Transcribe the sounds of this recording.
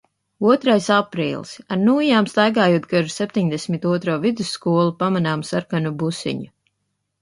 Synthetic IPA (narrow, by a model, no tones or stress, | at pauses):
uɔt̪ɾajsapɾḭːlˠsaɾnuːjaːmst̪ajɡaːjuɔt̪ɡaʒusɛp̚ʲt̪ʲiɲd̪ɛsmit̪uɔt̪ɾoːvid̪usːkuɔlˠupamanaːmsaɾkanubusḭɲu